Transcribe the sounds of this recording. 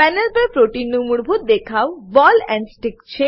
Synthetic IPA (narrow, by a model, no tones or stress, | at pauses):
pɛnelpaɾpɾoʈinːumuɽbʱut̪̚d̪ekʰaobɔlɛɳɖsʈikt͡ɕʰe